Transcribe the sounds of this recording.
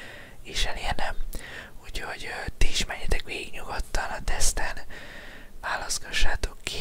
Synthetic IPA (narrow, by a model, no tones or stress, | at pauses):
eːʃɛleːnɛmhucho̞ɟt̪iiʃmɛɾɛt̪ɛkʋeːɡiɡɲuɡot̪ːɒnɒt̪ɛst̪ɛn | ʋaːlɒsɡ̥ɒʃːaːt̪o̞kːi